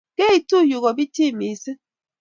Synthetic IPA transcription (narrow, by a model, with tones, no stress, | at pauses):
ke˦i˨tu˦˨ju˨ɣɔ˨bi˦ti˦˨mi˨se˦